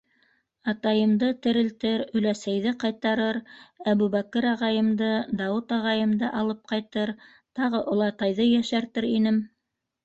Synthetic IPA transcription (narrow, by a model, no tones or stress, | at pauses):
ɑt̪ɑjɤ̆md̪ɤt̪ɘ̆ɾɘ̆lt̪ɘɾɵ̆læsæjðɘqɑjt̪ɑɾɤɾæβʉβækɤɾɑʁɑjɤ̆md̪ɤd̪ɑwut̪ɑʁɑjɤ̆md̪ɤʔɑlˠɤp̚qɑjt̪ɤɾ | t̪ɑʁɤʔulˠɑt̪ɑjðɤjæʃæɾt̪ɘɾinɘm